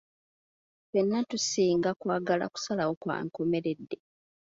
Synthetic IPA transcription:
tenːatusiːŋɡakwaːɡala̰ku̥salawo̞kwa̰ːŋko̞me̞ɾe̞dːe

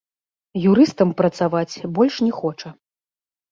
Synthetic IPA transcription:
juɾɨst̪ɐmpɾɐt̪savat͡sʲbɔlʲʂnʲɛxɔt͡ʂɐ

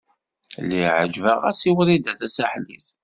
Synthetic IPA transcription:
lːiʕə̰d͡ʒvəʁæ̰siwɾid̪æθæsæħlḭθ

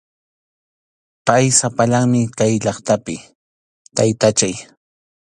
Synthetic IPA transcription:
pajsapaʎaŋmɪkajʎɑχt̪apɪ | t̪ajt̪at͡ʃaj

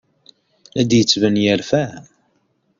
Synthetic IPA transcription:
æd̪jət͡sːvənjælfæ

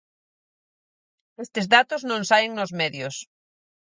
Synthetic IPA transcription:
est̪ɪzðat̪ʊznõŋsaɪŋnʊzmɛðjʊs

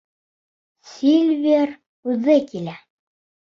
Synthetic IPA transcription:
sʲilʲvʲeɾ | ʉðɘkilæ

